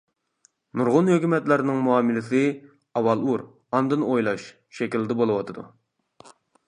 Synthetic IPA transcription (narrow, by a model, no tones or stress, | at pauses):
nuɾʁʊnhøkʲymɛt̪læɾnɪŋmuɑmɪlɪsɪ | ɑwɑlˠuɾ | ɑnd̪ɨnojlˠɑʃ | ʃɛkʲild̪ɛbolˠɨwɑt̪ʰɨd̪ṵ